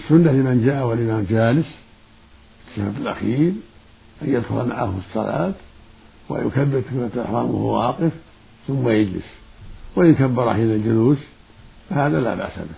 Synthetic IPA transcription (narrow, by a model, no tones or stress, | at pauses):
sːʊnːalɪmand͡ʒaːʔawalɪmamd͡ʒaːlɪs | ɪt̪ːha̰ːbɪlʔa̰xiːɾ | ʔanjad̪xʊ̰lma̰ʕa̰hɨsˤːɑla̰ːt̪ | wa̰jʊ̰kabːɪɾkʊlat̪lʔɪ̰ħɾˤɑːma̰wɑːqɪf | θʊmːajad͡ʒlɪ̰swɪʔɪnkabːɑɾˤa̰ħiːnald͡ʒʊluːs | fahaːðala̰ːba̰ʔsa̰bɪ